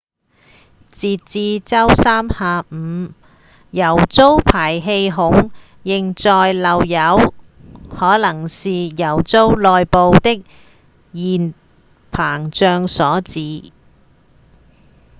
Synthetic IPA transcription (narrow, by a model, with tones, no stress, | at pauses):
t͡siː˧tt͡siː˧t͡sɐ˥wsaː˥mhaː˧m̩ː˨˧ | jɐ˨˩wt͡so˥wpʰaː˨˩jɦe˧jɦʊ˨˥ŋ | jɪ˨ŋt͡sɔː˧jlɐ˨wjɐ˨˧˥w | hɔː˨˥lɐ˨˩ŋsiː˨˧jɐ˨˩wt͡so˥wlɔː˧jpo˧wt̪ɪ˥k̚ | jiː˨˩n | pʰaː˨˩ŋt͡ʃœː˧ŋsɔː˨˥t͡siː˨˧